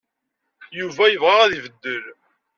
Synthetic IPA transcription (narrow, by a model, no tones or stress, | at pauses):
juvæjəvʁæʁæðivəd̪ːəl